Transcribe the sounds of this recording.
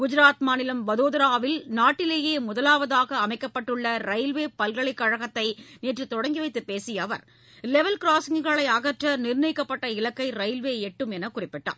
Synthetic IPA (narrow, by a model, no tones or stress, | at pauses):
ɡ̥ʊd͡ʒɪɾaːt̪maːnɪlɐmʋɐðoːðɐɾaːʋɪlnaːʈːɪleːjeːmʊðɐlaːʋɐðaːɣɐːmɐɪkːɐpːɐʈːɯɭːɐɾɐɪlʋeːpɐlɡɐɭɪkːɐɻɐɣɐt̪ːɐɪniːʈrɯt̪ɔɽɐŋɡiʋɐɪt̪ːɯpːeːsɪjɐʋɐɾ | lɛʋɐlkɪɾaːsɪŋɣɐɭɐɪɐɣɐʈrɐnɪɾnɐɪkːɐpːɐʈːɐɪlɐkːɐɪɾɐɪlʋeːɛʈːɯmɛnɐkʊrɪpːɪʈːa̰ː